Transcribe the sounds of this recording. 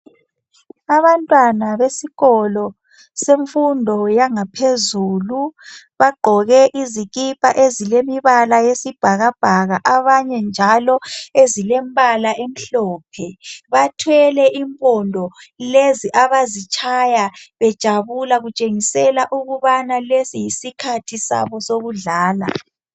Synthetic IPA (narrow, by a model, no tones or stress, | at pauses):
aβantʼwanaβesiɣɔlɔ | seɱfundʱɔjaŋapʰezuːlu | βaɡ͡ǃʱɔɣɛʔiziɣipʰʼaʔezilemiβalajesib̥ʱaɣab̥ʱaɣaʔaβaɲɛnd͡ʒʱalɔezilɛmbʱalaʔem̩ɬɔːpʰɛβatʰwɛlɛʔimpʼɔndʱɔleziʔaβazit͡ʃʰʼajaβɛd̥ʒ̥ʱaβulaɣut͡ʃʼeŋisɛlaʔuɣuβanalesijisikʰatʰisa̰βɔsoɣuɮaːla̰